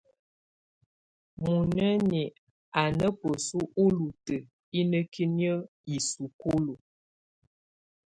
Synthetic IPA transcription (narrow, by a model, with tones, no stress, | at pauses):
mu˨nə˦ni˨ | a˨nə˦pə˨su˦ʔo˦lu˨tə˨ | i˦nə˦ki˦njə˦ | i˨su˨ko˦lo˨